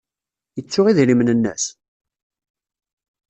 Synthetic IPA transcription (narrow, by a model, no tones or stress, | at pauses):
jət͡sːʊʁiðlimnənːə̰s